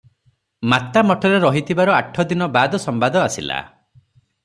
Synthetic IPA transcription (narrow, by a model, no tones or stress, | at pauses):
mat̪amɔʈʰɔɾeɾɔɦit̪ʰibaɾɔaʈʰːɔd̪inɔbad̪ɔsɔmbad̪ɔasḭla̰